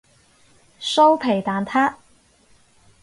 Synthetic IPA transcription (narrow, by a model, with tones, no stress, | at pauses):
so˥wpʰe˨˩jt̪aː˨nt̪ʰaː˥